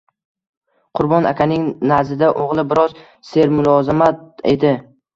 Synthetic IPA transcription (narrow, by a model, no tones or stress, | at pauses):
qʰʊɾbɒna̰kʲʰanɪŋnazɪd̪aʔoʁlˠɪbɪɾɒz | se̞ɾmʊlˠɒzɪmat̪̚e̞̰d̪ɪ